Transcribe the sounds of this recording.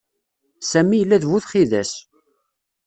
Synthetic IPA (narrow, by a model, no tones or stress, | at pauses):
sæmːijəlːæðvuθχiðæs